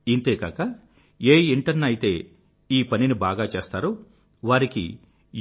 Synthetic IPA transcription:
int̪eːkaːkɐ | eːiɳʈɐɾnɐjit̪e̞ː | iːpɐninibaːɡaːt͡ʃe̞ːst̪aːɾu | ʋaːɾikḭ | j

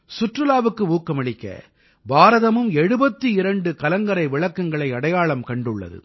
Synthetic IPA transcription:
sʊʈrɯlaːʋɯkːɯuːkːɐmɐɭɪkːɐ̰ | baːɾɐðɐmɯmɛɽɯbɐt̪ːɯɪɾɐɳɖɯkɐlɐŋɡɐɾɐɪʋɪɭɐkːɐŋɡɐɭɐɪɐɽɐjaːɭɐmkɐɳɖɯɭːɐ̰ðɯ̰

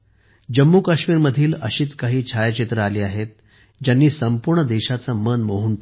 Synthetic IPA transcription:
d͡ʑəmːukəɕmiːɾməd̪ʱiːləɕiːt͡skaɦiːt͡ɕʰajət͡ɕit̪ɾəaliːaɦet̪̚ | d͡ʑjanːiːsəmpuɾɳəd̪eɕat͡səmənmoɦuːnp

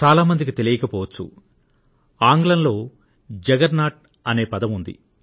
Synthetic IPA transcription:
t͡ʃaːlaːmɐnd̪ik̬it̪e̞lijɐkɐpɔːʋɐt͡ʃːṵ | aːŋɡlɐnlo̞ː | d͡ʒɛɡɐɾnaːʈ̚ | ɐne̞ːpɐd̪ɐmund̪ḭ

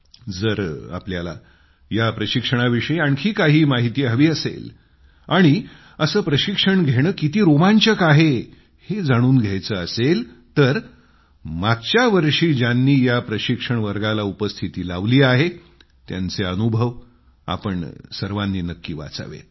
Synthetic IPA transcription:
d͡zəɾa̰pljala̰ | japɾəɕikʂəɽ̃aʋiʂəiaɳkʰiːkaɦiːmaɦit̪iːɦəʋiːəsḛl | aɽ̃i | əsəːpɾəɕikʂəɳɡʱeɽ̃əːkit̪iːɾomaɲt͡ɕəkaɦe | hed͡zaɽ̃uːnɡʱjajt͡səːəsel | t̪əɾ | maɡ̚t͡ɕjaʋəɾʂiːd͡ʑjanːiːjapɾəɕikʂəɳʋəɾɡalaupəst̪ʰit̪iːla̰ʋliːaɦe | t̪ja̰nt͡seənubʱəʋ | a̰pəɳsəɾʋanːiːnəkːiːʋa̰t͡sa̰ʋḛ

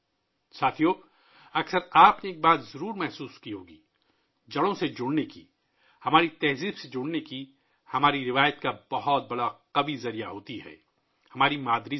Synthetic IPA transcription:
saːt̪ʰijoː | ɐksəɾaːpneːk̚baːt̪zɐɾuːɾmɛɦsuːskiɦoːɡiː | d͡ʒɐɽõsed͡ʒʊɽneki | hɐmaːɾit̪ɛɦziːbsed͡ʒʊɽneki | hɐmaːɾiɾɪʋaːjət̪̚kabɐɦɔt̪̚bɐɽaqɐbizɐɾijaɦoːt̪iɦɛ̰ː | hɐmaːɾimaːd̪ɾi

